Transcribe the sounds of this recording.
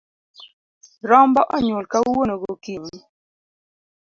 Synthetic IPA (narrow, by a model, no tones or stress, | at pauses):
ɾɔmbɔʔɔɲwolkauwonoɡokiɲi